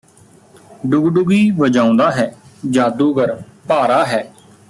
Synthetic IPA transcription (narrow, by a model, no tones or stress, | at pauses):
ɖʊɡɖʊɡiːʋəd͡ʒãːʊ̃nd̪aːɦɛːd͡ʒaːd̪uːɡəɾpaːɾaːɦɛː